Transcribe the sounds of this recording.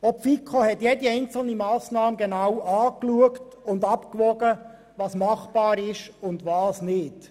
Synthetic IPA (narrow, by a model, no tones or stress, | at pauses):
ɔpfikʰohɛtjɛdiɛɪnt͡sl̩nimɑːsnɑːmɡenawɑːkluəktʊndɑpkʋɔɡə | ʋɑːsmɑχb̥ɑːɾɪʃʊndʋɑːsnɪt